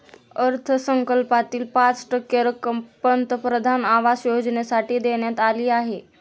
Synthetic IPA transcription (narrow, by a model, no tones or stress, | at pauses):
əɾt̪ʰəsəŋkəlpat̪iːlpat͡sʈəkːeɾəkəmpənt̪əpɾəd̪ʱanaʋasjod͡znesaʈiːd̪eɳjat̪aliːaɦe